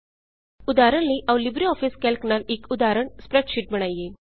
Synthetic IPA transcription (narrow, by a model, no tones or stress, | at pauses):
ud̪aɾəɳliːʔaʋlibɾiɔfiːskɛlkɳaɾikud̪aɾəɳspɾeʈɕiːʈm̤əɽ̃aje